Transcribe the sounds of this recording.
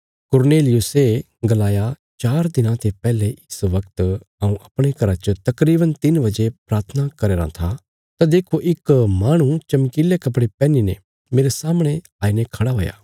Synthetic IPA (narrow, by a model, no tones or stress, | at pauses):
kʊɾneːlɪjʊse | ɡɐlaːja | t͡ʃaːɾd̪ɪnãt̪ʰepɛːleʔɪsʋɐkt̪ | ɐũʔɐpɽ̃ekɐɾat͡ʃət̪ɐkɾiːbənt̪ɪnʋɐd͡ʒepɾaːɾt̪ʰənakɐɾeːɾã̰t̪ʰa | t̪ad̪eːkʰoʔɪkmaːɽ̃ũt͡ʃɐmkilekɐp̬ɽepɛːninḛ | meːɾesaːmɽ̃e | aːinekʰɐɽaɦo̰ːja̰ː